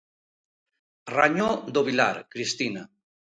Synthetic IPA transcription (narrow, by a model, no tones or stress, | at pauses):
raɲod̪oβila̰ɾkɾist̪ina